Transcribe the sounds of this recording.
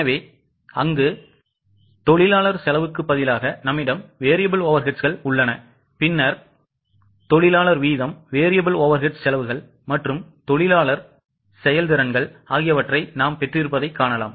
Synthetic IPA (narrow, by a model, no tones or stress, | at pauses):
ɐʋeː | ɐŋɡɯ | t̪ɔɭɪlaːɭɐɾsɛlɐʋɯkːɯpːɐðɪlaːɣɐnɐmːɪɽɐmʋeːɾɪjɐbɯloːʋɐɾɣɪʈsɣɐɭʊɭːɐnɐ | pɪnːɐɾ | t̪ɔɭɪlaːɭɐɾʋiːðɐmʋeːɾɪjɐbɯloːʋɐɾɣɪʈssɛlɐʋɯɣɐɭ | mɐʈrɯmt̪ɔɭɪlaːɭɐɾ | sɛjɐld̪ɪɾɐnɡɐɭaːɣɪjɐʋɐʈrɐɪnaːmpɛʈrɪɾɯpːɐðɐɪkːaːɳɐla̰ːm